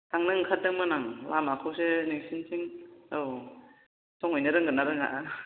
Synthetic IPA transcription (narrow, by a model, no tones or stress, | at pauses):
taŋnɯŋkʰat̚ːɯŋmɯnaŋlamakʰɯwseniŋsinsʰiŋɯw | sʰɔŋɔjnɯɾɯŋɡɯnːaɾɯŋa̰ʔa